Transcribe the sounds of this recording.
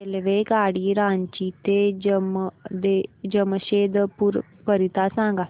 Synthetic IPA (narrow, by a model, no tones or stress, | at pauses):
elʋeɡaɽiːɾãɲt͡ɕit̪ed͡ʑəmd̪ed͡ʑəməɕed̪puɾ | pəɾit̪asãŋɡa